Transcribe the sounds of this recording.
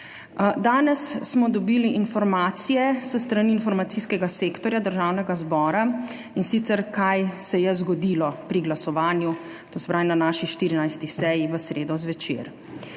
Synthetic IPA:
d̪aːnɛsːmɔd̪ɔbiːliʔinfɔɾmaːt̪sijɛsəst̪ɾaniːnfɔɾmat̪siskɛɡaseːkt̪ɔɾjad̪əɾʒaːwnɛɡazbɔːɾa | insit̪sɛɾkajsɛjɛzɡɔd̪ilɔpɾiɡlasɔʋaːnju | t̪osbɾajnanaːʃiʃt̪iːɾinajst̪isɛjiʋəsɾeːd̪ɔzʋɛt͡ʃḛɾ

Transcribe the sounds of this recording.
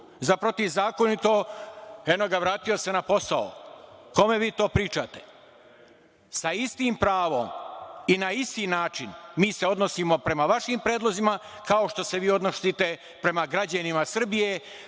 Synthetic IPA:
zapɾo̞t̪iʋzaːko̞nit̪o̞ | e̞noɡaʋɾaːt̪ijo̞senapo̞sao̰ko̞me̞ʋiːt̪o̞ːpɾiːt͡ʃat̪e̥ | saist̪iːmpɾaːʋo̞̰minaist̪iːnaːt͡ʃinmiːse̞o̞d̪nosimo̞pɾe̞maʋaʃimpɾeːd̪lˠo̞zima | kao̞ʃt̪o̞se̞ʋiːo̞d̪nosit̪e̞ | pɾe̞maɡɾad͡ʑanimasr̩bije

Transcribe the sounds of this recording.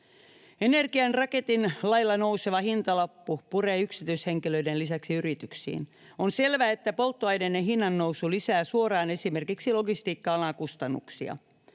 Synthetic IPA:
enerɡiɑnrɑke̞t̪inlɑjlːɑnouseʋɑhint̪ɑlɑpːupureːyksit̪yisheŋkiløidenlisæksiyɾit̪yksḭːn | onselʋæet̪ːæpo̞lt̪ːoɑjnenːeɦinːɑnːowsulisæːsuorɑːne̞simerkiksilo̞ɡist̪iːkːɑɑlɑkust̪ɑnːṵksiɑ̰

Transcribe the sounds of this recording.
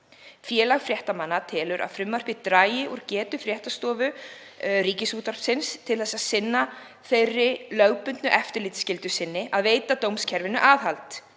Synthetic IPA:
fjɛːlaɣfɾjɛht̪amanːat̪ʰɛːlʏɾʔa̰ðfɾʏmːar̥pɪt̪ɾaːjɪʔɔɾcɛːt̪ʏfɾjɛht̪ast̪ɔːvʏ | ɾiːcɪsuːt̪vaɾr̥psɪnst̪ʰɪlθɛsːaðsɪnːa | θejrːɪlœɥpʏnt̪nʏʔɛft̪ɪɾlɪːt̪scɪlt̪ʏsɪnːɪaðveːjt̪at̪owmscʰɛɾvɪnːʏʔaːðhalt̪

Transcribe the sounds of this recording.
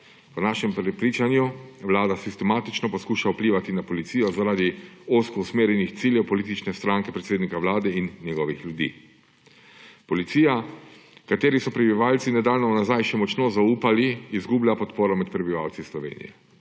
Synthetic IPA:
pɔnaːʃɛmpɾɛpɾiːt͡ʃanjuʋlaːd̪asist̪ɛmaːt̪it͡ʃnɔpɔskuːʃaupliːʋat̪inapɔlit̪siːjɔzaɾaːd̪ioskɔusmeːɾjɛnixt̪siːljɛwpɔliːt̪̬it͡ʃnɛst̪ɾaːŋkɛpɾet̪seːd̪nikaʋlaːd̪ɛinːjɛɡɔʋixljud̪ḭː | pɔlit̪sijakat̪eːɾisɔpɾɛbiʋaːlt̪sinad̪aːlnɔnazajʃɛmɔt͡ʃnozauːpaliːzɡublʲjapɔt̪poːɾɔmɛt̪pɾɛbiʋawt̪sislɔʋḛːnḭjɛ̰

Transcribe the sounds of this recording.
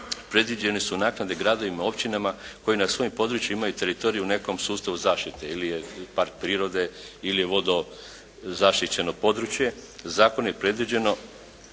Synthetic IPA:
pɾe̞d̪ʋid͡ʑe̞nisunaːknad̪e̞ɡɾaːd̪o̞ʋimao̞pt͡ɕinamako̞jinasʋo̞jimpo̞d̪ɾut͡ɕjuiimajut̪e̞ɾit̪o̞ɾijune̞ko̞msuːst̪aʋuzaːʃt̪it̪eilijepaɾk̚pɾiːɾo̞d̪eilijeʋo̞d̪o̞ | zaʃt̪it͡ɕe̞nopo̞d̪ɾut͡ɕje̞zaːkonoje̞pɾe̞d̪ʋid͡ʑe̞no̞

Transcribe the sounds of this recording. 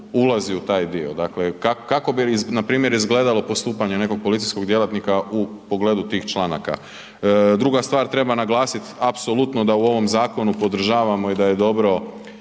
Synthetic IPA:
ulˠaziut̪aːjd̪iod̪aklekakkako̞biznapɾiːmje̞ɾizɡleːd̪alo̞po̞st̪uːpaɲe̞ne̞ko̞ɡ̚polit̪sijsko̞ɡd̪je̞lat̪nikaupoɡle̞ːd̪ut̪iːxt͡ʃlˠana̰ka̰ | d̪ɾuɡast̪ʋaːɾt̪ɾe̞banaɡlˠaːsit̪apsolut̪nod̪auo̞ʋo̞mzaːko̞nupo̞d̪r̩ʒaːʋamo̞id̪ajed̪o̞bɾo̞

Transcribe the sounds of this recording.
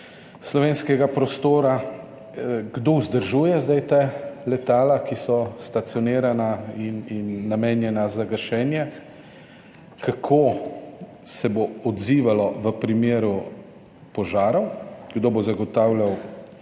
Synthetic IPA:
slɔʋeːnskɛɡapɾɔst̪oːɾa | ɡd̪ouzd̪əɾʒuːjɛzd̪ajt̪ɛlɛt̪aːlakisɔst̪at̪sjɔneːɾanaininːameːnjɛnazaɡɐʃɛːnjɛ | kakʰoː | sɛboɔd̪ziːʋalɔʋəpɾimeːɾu | pɔʒaːɾɔwɡd̪oːbozaɡɔt̪aːwlaw

